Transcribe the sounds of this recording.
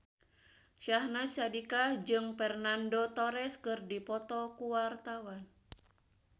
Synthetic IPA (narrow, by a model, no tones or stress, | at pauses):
ʃahnasadikad͡ʒɨŋpɛrnandot̪ɔɾɛskɨrdipɔt̪ɔkuwart̪awan